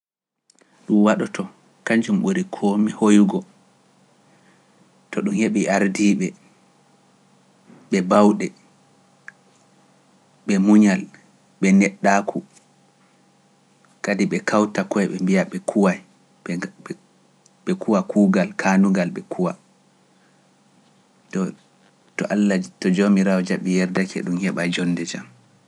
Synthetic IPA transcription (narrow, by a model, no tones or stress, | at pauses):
ɗumwaɗɔtʰɔ | kaɲd͡ʒumɓuɾikʰɔmihojuɡɔ | tɔɗumheɓiʔaɾdiːɓɛ | ɓɛbawɗɛ | ɓɛmuɲal | ɓɛnɛɗːakʰu | kadiɓɛkawtakɔɛɓɛmbijaɓɛkʰuwaj | ɓɛkuwakuːɡalkʰanuɡalɓɛkʰuwa | tɔ | tɔ̰ʔalːatɔd͡ʒomiɾawɔd͡ʒaɓɛjɛɾdakʰɛ̰ɗumhɛɓad͡ʒɔnːdɛd͡ʒa̰m